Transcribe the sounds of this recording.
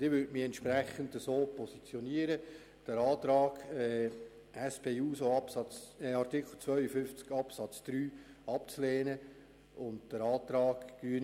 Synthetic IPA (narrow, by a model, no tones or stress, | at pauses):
d̥ɪvʋʏɾtmiɛntʃpɾæχəndəsoːpʰɔsit͡sjɔniəɾə | d̥əɾɑːt̪ɾɑːɡɛ | ɛspeːuːsoɑpsɑt͡sɛɑrt̪ikχl̩t͡sʋœʏəfʏft͡skɑpsɑt͡sd̪̥ɾyːɑpt͡sleːnə | ʊndd̥əɾɑːt̪ɾɑːɡɡyən